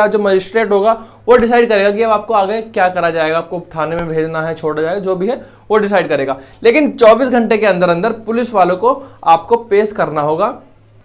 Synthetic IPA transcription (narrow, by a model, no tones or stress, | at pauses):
ad͡ʒoːmɐd͡ʒɪsʈɾeːʈɦoːɡaː | ʋoɖɪs̬aːɪɖ̚kɐɾeːɡakiɐbaːp̚koaːɡəkjaːkɐɾad͡ʒaːeːɡaːp̚kopt̪ʰaːnemẽbʱeːd͡ʒnaɦɛt͡ʃʰoːɽad͡ʒaːeːɡad͡ʒoːbʱiɦɛ | ʋoɖɪs̬aːɪɖ̚kɐɾeːɡaːleːkɪnt͡ʃɔːbiːsɡʱɐ̃ɳʈekeɐ̃nd̪əɾɐ̃nd̪əɾpʊlɪsʋaːlõkoaːpkopeːskɐɾnaɦoːɡaː